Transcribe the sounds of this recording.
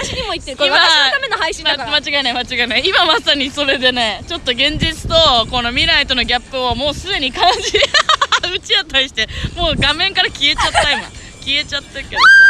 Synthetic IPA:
ɕiɲimoit̪ːeimaamenohaiɕĩmmat͡ɕiɡainaimat͡ɕiɡainaimamasaɲ̟iso̞ɾe̞d̪e̞ne̞t͡ɕo̞t̪ːo̞ɡẽ̞ɲ̟d͡ʑit͡sɨ̥t̪o̞ko̞no̞mʲiɾait̪o̞no̞ɡʲapːɯ̟omo̞ːsɨd̪e̞ɲ̟ikãɰ̃ɲɕi | ɯ̟t͡ɕiat̪ːaɾiɕi̥t̪emo̞ːɡamẽ̞ŋkaɾakʲie̞t͡ɕat̪ːaimõ̰ | kʲie̞t͡ɕat̪ːake

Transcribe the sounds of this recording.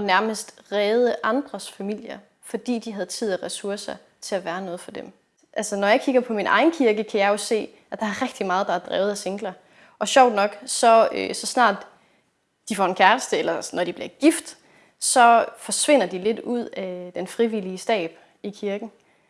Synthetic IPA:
næɐməsd̥ʁɛːð̞ˠəʔɑ̈nd̥ʁɐsfæmil̰jɐ | fɒ̽d̥ḭːd̥iɦæð̞̩ˠt͡sʰið̞̰ˠæʁɛsuɐsɐ | t͡sʰe̝æʋæːɐnɔ̽ːð̩ˠfɒ̽d̥em | ʔælsənɒjɑ̈ɪkʰiɡ̥ɐpʰɒ̽minʔɑ̈ɪn̩kʰiɐɡ̥əkʰæjɑ̈ɪjo̝se̝̰ː | ʔæd̥ɑ̈æɐʁɛɡ̥d̥imɑ̈ːð̞̩ˠd̥ɑ̈æɐd̥ʁɛ̰ːʊð̩ˠæseŋɡ̥lɐ | ʔɒ̽ɕɒʊ̰d̥nɒ̽ɡ̥sɒ̽øsɒ̽snɑ̰̈ːd̥ | d̥ifɒ̰e̝nkʰæɐləsd̥əelɐnɒd̥ib̥liɐɡ̥ifd̥ | sɒ̽fɒ̽sʋe̝n̰ɐd̥ile̝d̥uð̞̰ˠæd̥enfʁiʋiliəsd̥ɛ̰ːb̥ | ikʰiɐɡ̥n̩

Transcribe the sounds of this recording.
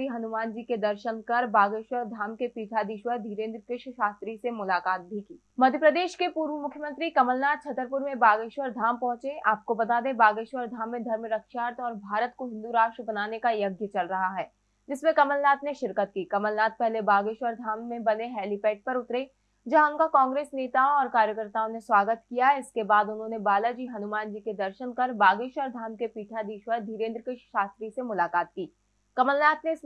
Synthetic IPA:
iɦɐnʊmaːnd͡ʒiked̪ɐɾʃənkɐɾbaːɡeːʃwəɾd̪ʱaːmkepiːʈ̪ʰad̪iʃwəɾd̪ʱiːɾẽːnd̪ɾəkɪʃʃaːst̪ɾisemʊlaːkaːt̪̚bʱikiː | mɐd̪ʱjəpɾəd̪eːʃkepuːɾʋəmʊkʰjəmə̃nt̪ɾikɐməlnaːt̪̚t͡ʃʰɐt̪əɾpʊɾmẽbaːɡeːʃwəɾd̪ʱaːmpɔ̃ɦʊ̃t͡ʃeʔaːp̚kobɐt̪aːd̪ẽbaːɡeːʃwəɾd̪ʱaːmːẽd̪ʱɐɾmɾɐkʃaːɾt̪ɔːɾbʱaːɾət̪koɦɪ̃nd̪uɾaːʃʈɾəbɐnaːnekajɐɡjət͡ʃɐlɾɐɦaɦɛː | d͡ʒɪsmẽkɐməlnaːt̪neʃɪɾkət̪̚kiːkɐməlnaːt̪̚pɛɦlebaːɡeːʃwəɾd̪ʱaːmːẽbɐneɦɛːlipɛːʈ̚pɐɾʊt̪ɾe | d͡ʒɐɦãʊnkakɔ̃ːŋɡɾeːsneːt̪aõɔːɾkaːɾjəkəɾt̪aːõneswaːɡət̪kijaɦɛɪskebaːd̪ʊnɦõːnebaːlad͡ʒiːɦɐnʊmaːnd͡ʒiːked̪ɐɾʃənkɐɾbaːɡɪːʃwəɾd̪ʱaːmkepiːʈʰad̪iːʃwəɾd̪ʱiːɾẽːnd̪ɾəkɪʃʃaːst̪ɾisemʊlaːkaːt̪̚kiː | kɐməlnaːt̪neɪs

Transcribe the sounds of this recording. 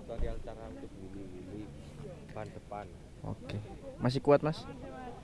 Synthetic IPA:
tadiant̪aɾat̪əbuluwulu | band̪əpan | o̰kemas̬ɪhkuwat̪̚mas

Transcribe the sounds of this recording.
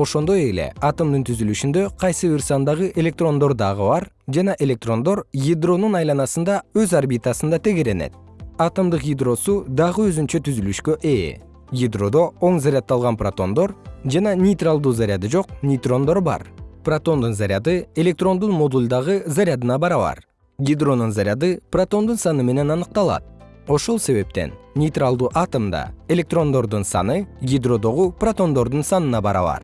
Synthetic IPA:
o̞ʃo̞nd̪o̞je̞le̞̰ɑt̪əmd̪ɯnt̪ʰyzylyʃynd̪ø̞qʰɑjsɨvʲirsɑnd̪ɑʁɯʔe̞lʲe̞k̚t̪ro̞nd̪o̞ɾd̪ɑʁɯbɑɾ | d͡ʒɑnɑʔe̞lʲe̞k̚t̪ro̞nd̪o̞ɾjid̪ro̞nunɑjlˠɑnɑsɯnd̪ɑøzarbʲit̪asɯnd̪ɑt̪ʰe̞ɡe̞ɾe̞ne̞̰t̪̚ | ɑt̪əmd̪ɯqjʲɪd̪ro̞sud̪ɑʁɯøzynt͡ʃøt̪ʰyzylyʃkø̞ʔeː | jid̪ro̞d̪o̞o̞ɴzaɾʲɪat̪ːɑlˠʁɑnprat̪o̞̰nd̪o̞ɾd͡ʒɑnɑnʲɪjt̪ralˠd̪uːzaɾʲjad̪ɯd͡ʒo̞q̚nʲɪjt̪ro̞nd̪o̞ɾbɑ̰ɾprat̪o̞nd̪unzaɾʲad̪ɯe̞lʲe̞k̚t̪ro̞nd̪unmo̞d̪ulʲd̪ɑʁɯzaɾʲɪad̪ɨnɑbɑɾɑβɑ̰ɾ | ɡʲid̪ro̞nunzaɾʲjad̪ɨprat̪o̞nd̪unsɑnɯme̞ne̞nɑnɯq̚t̪ɑlˠɑ̰t̪̚o̞ʃo̞lˠse̞βe̞p̚t̪e̞̰nnʲɪjt̪ralˠd̪uːʔɑt̪o̞md̪ɑ̰e̞lʲe̞k̚t̪ro̞nd̪o̞ɾd̪unsɑ̰nɯɡʲid̪ro̞d̪o̞ʁuprat̪o̞nd̪o̞ɾd̪unsɑnɯnɑbɑɾɑ̰βɑ̰ɾ

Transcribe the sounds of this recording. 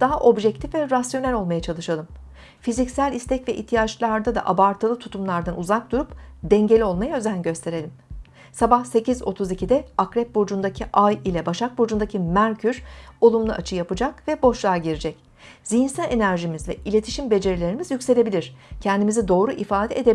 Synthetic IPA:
d̪̥aɦaʔo̞bʒɛc̚t̪ʰifvɛɾasjo̞nælʲo̞lˠmajat͡ʃʰalˠɯʃalˠɯm | fizicsælʲist̪ʰɛcvɛʔḭçt̪ʰijat͡ʃlˠaɾd̪ad̪a̰ʔabaɾt̪ʰalˠɯt̪ʰut̪ʰumlˠaɾd̪anuzak̚d̪uɾupd̪ɛɲɟe̞lʲio̞lˠmajaø̞zænɟø̞st̪ʰe̞ɾe̞lʲim | sabahse̞cʰizo̞t̪ʰuzicʰid̪ɛakɾɛp̚bo̞d͡ʒund̪acʰiʔajilʲɛbaʃak̚bo̞d͡ʒund̪acʰimæɾcʰyɾo̞lˠumlˠɯʔat͡ʃʰɯjapɯd͡ʒakvɛbo̞ʃlˠaɾɟiɾid͡ʒɛc | zijinsælʲe̞næɾʒimizvɛ̰ʔilʲe̞t̪ʰi̥ʃimbe̞d͡ʒe̞ɾilʲe̞ɾimizjycse̞lʲe̞bilʲiɾ̥cʰɛnd̪imizɛd̪o̞ːɾuʔifaːd̪ɛed̪e

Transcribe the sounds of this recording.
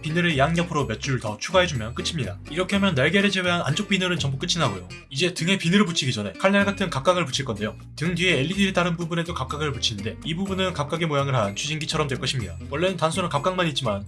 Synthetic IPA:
pinɯɾɯjaŋɲʌpʰɯɾomjʌt̚t͡ɕ͈uɯɭtʌt͡ɕʰuɡaɦe̞d͡ʑumjʌnk͈ɯt͡ɕʰimɲidaiɾʌkʰeɦamjʌnːaɭɡe̞ɾed͡ʑe̞we̞ɦana̰nd͡ʑok̚p͈inɯɾɯnt͡ɕʌŋbuk͈ɯt͡ɕʰinɦaɡojo | id͡ʑe̞tɯŋɦe̞pinɯɾɯɭput͡ɕʰiɡid͡ʑʌne̞kʰaɭnaɭɡatʰɯnkap̚k͈aɡɯɭput͡ɕʰiɭk͈ʌnde̞jo | tɯŋdie̞ːʎːidiɾetaɾɯnbubune̞dokap̚k͈aɡɯɭput͡ɕʰinɯnde̞ibubunɯnkap̚k͈aɡemojaŋɯɭɦant͡ɕʰuɕʰinɡit͡ɕʰʌɾʌmdweɭk͈ʌɕʰimɲidawʌɭːe̞nɯntansʰunɯnkap̚k͈aŋmaɲit̚t͡ɕ͈iman

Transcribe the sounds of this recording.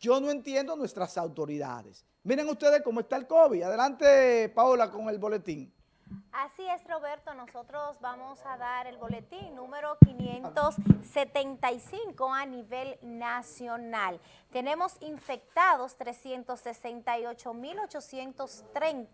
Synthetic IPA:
d͡ʒonoe̞nt̪je̞nd̪onwe̞st̪ɾasawt̪o̞ɾiða̰ðes | miɾeŋust̪e̞ðeskomoe̞st̪aelkoβid̪aðelant̪epaolako̞ŋe̞lβo̞le̞t̪iŋ | asie̞sro̞βe̞ɾt̪o̞no̞so̞t̪ɾosbamosaðaɾe̞lβo̞le̞t̪iŋnũme̞ɾo̞kinjent̪osːe̞t̪e̞nt̪ajsiŋkoaniβe̞lnasjonal | t̪e̞ne̞mo̞siɱfe̞k̚t̪aðo̞st̪ɾesje̞nt̪o̞sːe̞se̞nt̪ajot͡ʃo̞milo̞t͡ʃo̞sje̞nt̪ost̪ɾent̪

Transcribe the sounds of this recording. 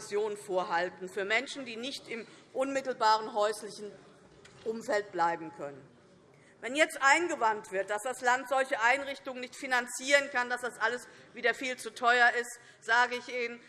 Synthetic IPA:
sjoːnfoːɐɦaltn̩fyːɐmɛnʃn̩diːnɪçtɪmʔʊnmɪtl̩baːʁ̞ənɦɔʏslɪçn̩ | ʔʊmfɛlt̚b̥laɪbm̩kʰœnən | vɛnjɛt͡stʔaɪnɡəvantv̥ɪɐt̚d̥asd̥aslantz̥ɔlçəʔaɪnʁɪçtʊŋənɪçtfinant͡siːʁənkandasd̥asʔaləsviːdɐfiːlt͡sutʰɔʏɐɪst | z̥aːɡəɪçʔiːnən

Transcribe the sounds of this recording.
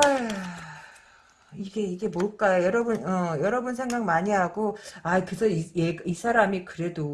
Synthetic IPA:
a | iɡe̞iɡe̞moɭk͈ajojʌɾʌbɯnʌjʌɾʌbɯnsʰe̞ŋɡaŋmaɲiɦaɡoaikɯsʰʌijeɡisʰaɾamikɯɾe̞do

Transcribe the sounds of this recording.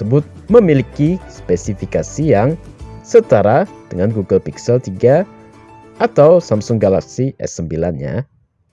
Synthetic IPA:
əbʊt̪̚ | məmilikispesifikasijaŋsət̪aɾad̥əŋanɡuɡəlpiksɛlt̪iɡa | at̪awsamsʊŋɡalaksiʔɛ̰səmbilanɲa̰

